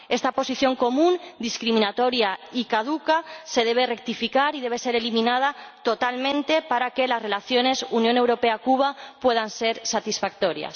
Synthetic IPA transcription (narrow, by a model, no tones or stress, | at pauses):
est̪apo̞siθjo̞ŋko̞mũnd̪iskɾimĩnat̪o̞ɾjaikaðukase̞ðe̞β̞e̞re̞k̚t̪ifikaɾiðe̞β̞e̞se̞ɾe̞limĩnað̞at̪o̞t̪almẽnt̪e̞paɾakelasre̞laθjo̞ne̞sunjõne̞wɾo̞peakuβ̞apwe̞ð̞anse̞ɾsat̪isfak̚t̪o̞ɾja̰s